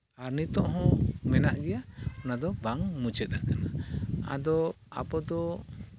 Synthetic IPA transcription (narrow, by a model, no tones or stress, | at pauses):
aɾnit̪ɔʔɦɔ̃mɛnaʔɡɛjaɔnad̪ɔbaŋmud͡ʒɛt̪̚akanaa̰d̪ɔ | a̰pɔd̪ɔ